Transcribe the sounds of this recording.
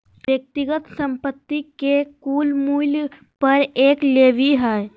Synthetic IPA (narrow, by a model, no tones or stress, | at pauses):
ʋjək̚t̪ɪɡət̪sə̃mpət̪ːikekuːlmuːl | pɐɾeːkleːʋiɦɛː